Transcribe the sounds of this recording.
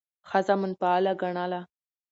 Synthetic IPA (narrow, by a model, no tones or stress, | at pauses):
xazamənpaːlaɡaɳala